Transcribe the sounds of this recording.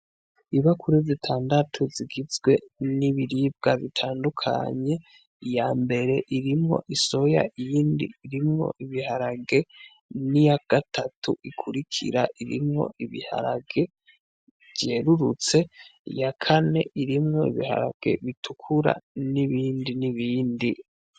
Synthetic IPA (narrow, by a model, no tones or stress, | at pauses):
iβakʰuɾizitʰaːndatʰuziɡizɡwe̞niβiɾib̚ɡaβitʰaːndukʰa̰ɲe̞ | jaːmbe̞ɾe̞ʔiɾimŋo̞̰ʔiso̞ja̰ijiːndḭːɾimŋo̞̰ʔiβihaɾaɡe̞ | nijaɡ̥atʰatʰuʔikʰuɾikʰḭɾaʔiɾḭmŋo̞̰ʔiβḭha̰ɾaɡe̞ | vɟeɾuɾut͡se̞ijakʰane̞ʔiɾimŋo̞iβiha̰ɾa̰ɡ̥e̞̰βitʰukʰuɾa̰niβiːndiniβiːndi